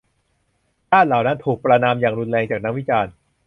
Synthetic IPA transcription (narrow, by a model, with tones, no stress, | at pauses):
t͡ɕaː˥˩nlaː˩˦wna˦˥nt̪ʰuː˨˩k̚pɾa˧naː˧mjaː˨˩ŋɾu˧nlɛː˧ŋt͡ɕaː˨˩k̚na˦˥k̚wi˦˥t͡ɕaː˧n